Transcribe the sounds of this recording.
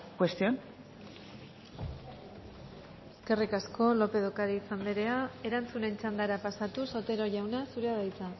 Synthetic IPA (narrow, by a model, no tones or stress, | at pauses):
kwe̞st̪io̞n | eske̞rikasko̞lo̞pe̞ð̞okaɾiːsand̪eɾe̞ae̞ɾant͡sune̞nt͡ʃand̪aɾapasat̪uso̞t̪e̞ɾo̞ʝawnasuɾeaðajt͡sa